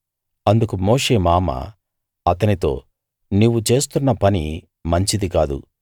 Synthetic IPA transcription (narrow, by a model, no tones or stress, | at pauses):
ɐnd̪ukumo̞ːʂe̞ːmaːmɐ̰ | ɐt̪ɐnit̪o̞̰ː | niːʋut͡ʃe̞ːs̬t̪unːɐpɐni | mɐɲt͡ʃid̪ikaːd̪ṵ